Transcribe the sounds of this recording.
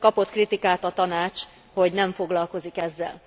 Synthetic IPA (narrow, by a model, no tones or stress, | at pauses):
kɒpo̞t̪krit̪ikaːt̪ɒt̪ɒnaːt͡ʃ | ho̞ɟnɛɱfo̞ɡlɒlko̞zikɛzːɛ̰l